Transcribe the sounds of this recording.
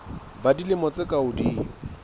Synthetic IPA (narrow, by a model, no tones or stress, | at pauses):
badilɪmɔt͡sɪkʼaʊdiː